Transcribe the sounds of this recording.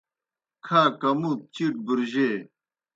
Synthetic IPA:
kʰaːkɐmut̪̚t͡ɕiʈ̚buɾʑe

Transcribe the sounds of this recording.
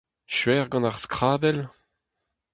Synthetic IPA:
ʃɥɛːʁɡɑ̃naʁskχaːbɛl

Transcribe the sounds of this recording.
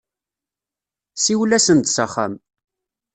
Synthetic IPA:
siwlæsənt̪səχa̰m

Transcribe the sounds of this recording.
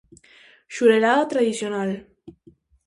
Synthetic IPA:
ʃuɾeɾaðat̪ɾaðisjonal

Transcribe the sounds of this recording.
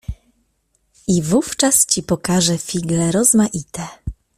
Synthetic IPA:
ivuft͡ʂast͡ɕipɔkaʐɛfʲiɡlɛɾɔzmaʔit̪ɛ

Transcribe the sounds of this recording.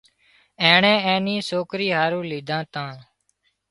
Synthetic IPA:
eːɳẽːẽːniːsoːkɾiːɦaːɾũːliːd̪ʱãːt̪ãː

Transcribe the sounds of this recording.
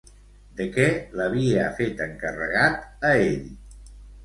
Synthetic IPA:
d̪əkɛləβ̞iəfet̪əŋkərə̰ɣat̪əeʎ

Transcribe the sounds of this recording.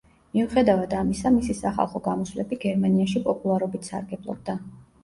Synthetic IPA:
miuχɛd̪avad̪amisamisisaχa̰lˠχɔɡamɔswlɛbiɡɛɾmaniaʃipʼɔpʼulˠaɾɔbit̪ʰsa̰ɾɡɛblˠɔ̰b̚d̪a

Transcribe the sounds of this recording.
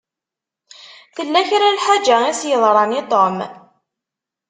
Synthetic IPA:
θəlːæçɾalħad͡ʒæisjəðˤɾˤɑnit̪ˤom

